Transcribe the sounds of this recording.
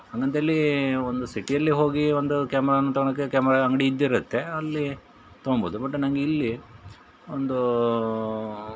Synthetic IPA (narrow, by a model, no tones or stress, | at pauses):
haːŋɡɐnt̪eɐlːiond̪usiʈijɐlːiɦo̞ːɡiond̪ukaːmɛɾaːnːut̪ɐɡɐɳɐkːekaːmɛɾaɐŋɡɐɽiːd̪ːiɾɐt̪ːe̞ɐlːi | t̪omboːd̪ubɐʈːunɐŋɡeilːi | ond̪u